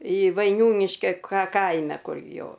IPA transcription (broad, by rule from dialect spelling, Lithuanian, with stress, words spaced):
ɪ ʋɐɪˈnʲuːnʲɪʃʲkʲɛ kɐ ˈkɐɪmʲɛ ˈkʊr ˈjoː